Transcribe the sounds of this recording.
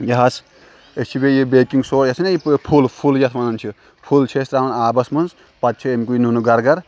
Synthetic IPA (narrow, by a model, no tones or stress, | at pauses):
jɐɦɐs | esʰibejibeːkiŋɡsoːɾjɐsʰnɐjipʰulpʰuljɐt̪ʰmɐnɐnt͡ʃʰi | pʰult͡ʃʰesɾaːwnaːbɐsmɐnz | pɐt̪̚t͡ʃʰiemkuinunuɡɐɾɡɐɾ